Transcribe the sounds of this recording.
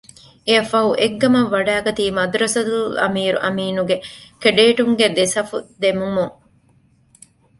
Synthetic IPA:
eɐfɐɦuʔeɡːɐmɐʋːɐɖæːɡɐt̪iːmɐd̪uɾɐsɐt̪ulɐ̰miːɾṵʔɐmiːnuɡekeɖeːʈuŋɡed̪esɐfud̪emumuŋ

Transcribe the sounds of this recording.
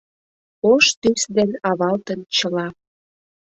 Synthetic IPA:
oʃt̪ysd̪enɑβɑlt̪ə̆nt͡ɕəlɑ

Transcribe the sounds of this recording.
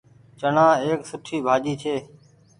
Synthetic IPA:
t͡ʃənãːeːksʊʈʰiːbʱaːd͡ʒiːt͡ʃʰeː

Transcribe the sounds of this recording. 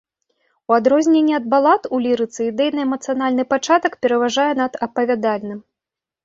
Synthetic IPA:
uad̪ɾɔzʲnʲenʲːɛɐd̪̚balˠat̪ulʲiɾɨt̪sɨid̪ɛjnɐɛmɐt̪sɨjan̪alʲnɨpat͡ʂat̪ɐkpʲɛɾɐvaʐajɛnɐd̪ɐpɐvʲad̪alʲnɨm

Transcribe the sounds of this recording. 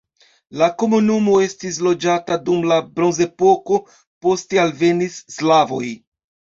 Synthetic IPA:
lako̞munumo̞e̞stis̬lo̞d͡ʒatadumlabɾo̞nze̞po̞ko̞ | po̞ste̞alve̞nisːlavo̞j

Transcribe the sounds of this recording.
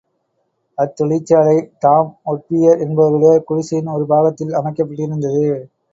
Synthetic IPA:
ɐt̪ːɔɭɪt͡ʃːaːlɐɪt̪aːmɔʈ̚pɪjɐɾɛnbɐɾɪleːkʊɻɪsɪjɪnɔɾɯbaːɣɐt̪ːɪlɐmɐɪkːɐpːɐʈːɯɪɾɯnd̪ɐðɯ

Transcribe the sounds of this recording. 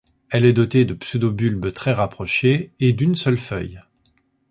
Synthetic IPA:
ɛlɛd̪ɔt̪ed̪əpsød̪obylbt̪χɛʁapχɔʃeed̪ynsœlfœ̰j

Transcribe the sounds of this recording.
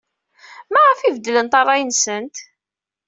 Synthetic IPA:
mæʁəfivəd̪ːələnt̪ɑrˤːɑjənsənt̪

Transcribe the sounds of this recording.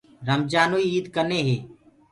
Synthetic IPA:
ɾəmd͡ʒaːnuiiːd̪kəneːɦeː

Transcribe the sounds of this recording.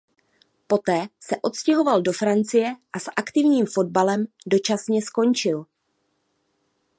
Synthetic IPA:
po̞t̪ɛːsɛʔo̞t̪scɛɦo̞valdo̞fɾant͡sɪjɛʔasʔakt̪ɪvɲiːmfo̞d̚balɛmdo̞t͡ʃasɲɛsko̞nt͡ʃɪl

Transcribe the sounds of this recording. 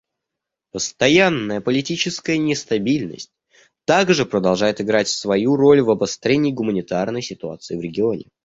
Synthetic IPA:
pəst̪ɐjanːəjəpəlʲɪtʲit͡ɕɪskəjənʲɪst̪ɐbʲilʲnə̰sʲtʲ | t̪aɡʐɨpɾəd̪ɐlˠʐajɪt̪ɪɡɾatʲsvɐjuro̞lʲvɐbɐst̪ɾʲenʲɪːɡʊmənʲɪt̪arnəjsʲɪt̪ʊa̰t̪sɨɪːvɾʲɪɡʲɪo̞nʲɪ̰

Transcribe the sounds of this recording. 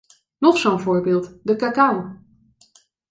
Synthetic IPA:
nɔχsonvʊːɹbɪːlˠtdəkakaw

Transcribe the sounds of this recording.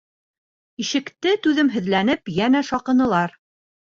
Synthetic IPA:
iʃɘ̆kt̪ɘt̪ʉðɘmɦɵ̆ðlænɘpjænæʃɑqɤ̆nɤ̆lˠɑɾ

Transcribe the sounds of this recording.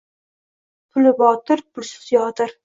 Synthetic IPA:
pʰʊlɪbɒt̪ɪɾpʊɾsɪ̥t̪jɒt̪ɪɾ

